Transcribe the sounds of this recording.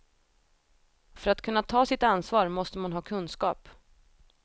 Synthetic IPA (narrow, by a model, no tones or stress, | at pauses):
fœɾat̪kʰɵnːat̪ʰɑːsɪt̪ansvɑːɾmɔst̪əmanɦɑːkʰɵnːskɑ̰ːp